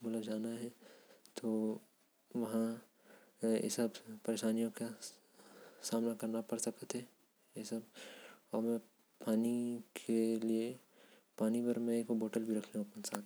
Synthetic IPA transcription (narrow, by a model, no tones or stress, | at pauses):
bʊlad͡ʒaːnaɦɛt̪oː | ʋɐɦã | ɪ̰səbpɐɾeːʃaːnijõka | saːmnakɐɾnapɐɾsɐkət̪ɦɛ | esəbɔːɾmɛ̃ | paːnikʰelie | paːnipɐɾmɛ̃eːkoboːʈəlbʱiɾɐkʰneɦuɐpənsaːt̪